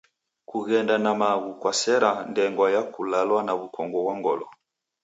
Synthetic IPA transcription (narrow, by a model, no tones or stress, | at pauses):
kuɣɛndanamaɣukwasɛɾandɛŋɡwajakulalwanaβukɔŋɡɔβwaŋɡɔlɔ